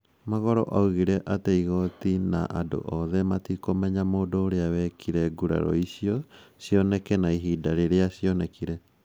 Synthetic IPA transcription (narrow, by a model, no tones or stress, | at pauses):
maɣɔɾɔ̰ʔauɣiɾɛʔateiɣɔtina̰ʔado̰ʔɔðɛmatikomɛɲamoːdoːɾeawɛkʰiɾɛɡuɾa̰ɾɔ̰isiɔsiɔnɛkɛnaiɦiːdaɾeɾeasiɔnɛkiɾɛ